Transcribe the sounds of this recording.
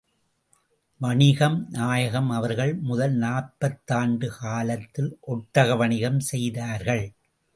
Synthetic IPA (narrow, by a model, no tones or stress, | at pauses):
ʋɐɳɪɣɐmnaːjɐɣɐmɐʋɐɾɣɐɭmʊðɐlnaːɾpɐt̪ːaːɳɖɯkaːlɐt̪ːɪlʔɔʈːɐɣɐʋɐɳɪɣɐmsɛjðaːɾɣɐɭ